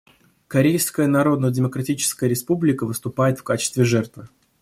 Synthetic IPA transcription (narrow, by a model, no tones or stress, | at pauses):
kɐɾʲejʲskəjənɐɾo̞d̪nədʲɪməkɾɐtʲit͡ɕɪ̥skəjəɾʲɪspublʲɪkəvɨst̪ʊpajɪt̪fkat͡ɕɪ̥st̪vʲɪʐɛrt̪və